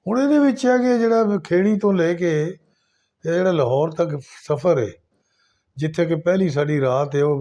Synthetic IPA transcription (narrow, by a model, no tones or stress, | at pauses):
ʊned̪eːʋɪt͡ʃjaːked͡ʒeːɽakʰeːɽ̃it̪õːleːkeː | jad͡ʒeːɽaːləɦɔːɾt̪əksəfʰəɾɦḛː | d͡ʒɪt̪ʰekepɛɦlis̬aːɖiːɾaːt̪ɦeo